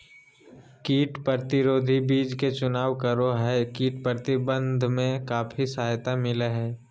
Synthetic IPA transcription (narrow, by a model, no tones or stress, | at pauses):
kiːʈpəɾt̪ɪɾoːd̪ʱibiːd͡ʒket͡ʃʊnaːʋkəɾoɦɛːkiːʈpɾəɾt̪ɪbə̃nd̪ʱmẽkaːfʰisaːjt̪amɪleɦɛː